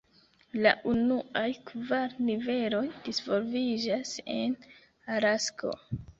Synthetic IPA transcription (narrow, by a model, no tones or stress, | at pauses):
la̰ʔunuajkvaɾnive̞lo̞jdisvo̞lvid͡ʒase̞̰n | aɾaskʰo̞̰